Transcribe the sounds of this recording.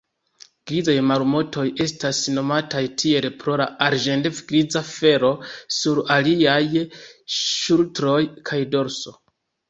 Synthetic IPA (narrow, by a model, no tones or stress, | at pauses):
ɡ̥ɾizajmalmo̞tʰo̞je̞stasno̞matajtʰie̞lpɾo̞laaɾʒendefɡɾid͡zafe̞ɾo̞suɾaliaj | ʃultɾo̞jkʰajdo̞ɾso̞